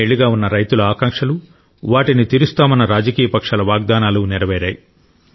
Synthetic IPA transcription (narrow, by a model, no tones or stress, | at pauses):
eɭːiɡaːunːɐɾɐjt̪ulɐaːkaŋkʂɐlu | ʋaːʈinit̪iɾust̪aːmɐnːɐɾaːd͡ʒɐkiːjɐpɐkʂaːlɐʋaːɡ̚d̪aːnaːluniɾɐʋɛːɾaːji